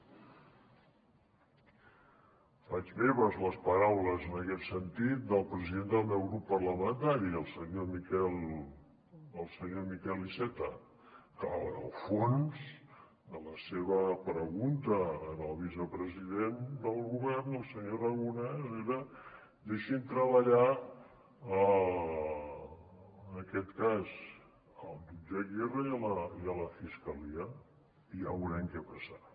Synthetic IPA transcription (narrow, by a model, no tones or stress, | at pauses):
fad͡ʒβeβəzləspəɾawləzənəkɛt̪sənt̪it̪̚d̪əlˠpɾəziðend̪əlˠmɛwɣɾupːərləmənt̪aɾiəlˠsəɲomikɛl | əlˠsəɲomikɛlisɛt̪ə | kəə̰lˠfonz | d̪ələseβəpɾəɣunt̪əːnəlˠβisəpɾəziðend̪əlˠɣuβɛrnəlˠsəɲorəɣunɛzeɾə | d̪eʃint̪ɾəβəʎa | ə | ənəkɛt̪kaz | əlˠʒud͡ʒeɣɛrəiələiələfiskəliə | ia̰βwɾɛŋkɛpəsa